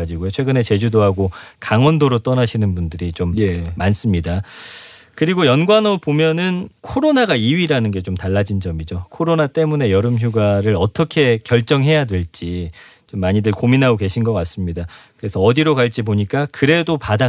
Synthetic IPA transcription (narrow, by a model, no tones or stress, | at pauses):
ad͡ʑiɡojot͡ɕʰweɡɯne̞t͡ɕe̞d͡ʑudoɦaɡokaŋwʌndoɾot͈ʌnaɕʰinɯnbundɯɾit͡ɕomːans͈ɯmɲida | kɯɾiɡojʌnɡwanopomjʌnɯnkʰoɾonaɡaiɥiɾanɯnɡe̞t͡ɕomtaɭːad͡ʑind͡ʑʌmid͡ʑokʰoɾonat͈e̞mune̞jʌɾɯmçjuɡaɾɯɾʌtʰʌkʰe̞kjʌɭt͡ɕ͈ʌŋɦe̞jadwe̞ɭt͡ɕ͈it͡ɕomːaɲidɯɭkominɦaɡoke̞ɕʰinɡʌk͈as͈ɯmɲidakɯɾe̞sʰʌːdiɾokaɭt͡ɕ͈ipoɲik͈akɯɾe̞dopada